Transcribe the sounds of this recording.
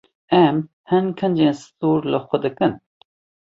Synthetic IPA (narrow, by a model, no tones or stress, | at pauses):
ɛm | hɨnkʰənd͡ʒeːnsɨ̥t̪uːɾləxʷɛd̪ɨkɨn